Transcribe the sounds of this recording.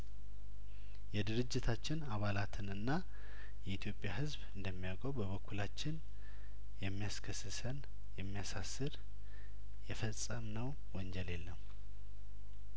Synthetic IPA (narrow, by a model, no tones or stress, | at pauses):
jɛd̪ɨɾɨd͡ʒːɪt̪ʰat͡ʃːɪnaβalat̪ʰɨnɨnːa | jɛit̪ʰjo̞pʼːjahɨzbɨnd̪əmːijakʼəwbəβəkʰːulat͡ʃːɪn | jɛmːijaskʰəsɨsən | jɛmːijasasːɨɾ | jɛfəsʼəmnəw | wɔnd͡ʒɛle̞lːəm